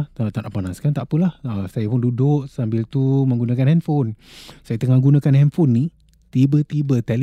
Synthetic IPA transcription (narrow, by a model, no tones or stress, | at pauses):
t̪at̪anʔaʔpanaskant̪aʔpəlahəsajap̬ʊndudʊʔsambɪlt̪uməŋɡunãkanhɛnfon | sajat̪əŋaɡunakanhɛnfonːi | t̪ibət̪ibət̪ɛl